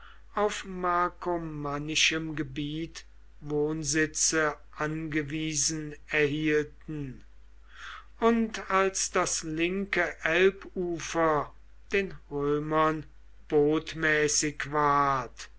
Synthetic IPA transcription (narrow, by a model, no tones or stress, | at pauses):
ʔaʊfmakʰomanɪʃəmɡəbiːt | voːnzɪt͡sə | ʔanɡəviːzn̩ɛɐhiːltn̩ | ʊntalsd̥aslɪŋkəʔɛlpuːfɐ | d̥eːnʁøːmɐn | b̥oːtmɛːsɪkvaːɐt